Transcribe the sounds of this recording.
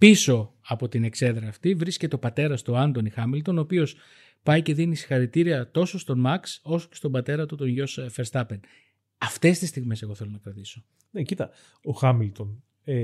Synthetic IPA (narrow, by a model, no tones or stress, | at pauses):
piso̞ɐpo̞t̪ine̞kse̞ðɾɐːft̪ivɾiscet̪eo̞pɐt̪e̞ɾɐst̪oɐnd̪o̞nixɐmilt̪o̞no̞ːpio̞s | pɐjce̞ðinisi̥xɐɾit̪iɾiɐt̪o̞so̞st̪o̞mɐkso̞so̞̥cest̪o̞bɐt̪e̞ɾɐt̪ut̪o̞nʝo̞sfeɾst̪ɐpe̞n | ɐft̪e̞st̪ist̪iɣme̞se̞ɣo̞θe̞lo̞nɐkɾɐt̪iso̞ | necit̪ɐ | oxɐmilt̪o̞n | e